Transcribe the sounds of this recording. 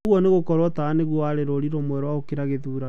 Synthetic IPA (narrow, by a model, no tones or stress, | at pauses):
ɣwɔneɣokɔɾwɔtaːneɣwɔaɾeɾoɾiɾomwɛɾɔwaokeɾaɣeðuːɾa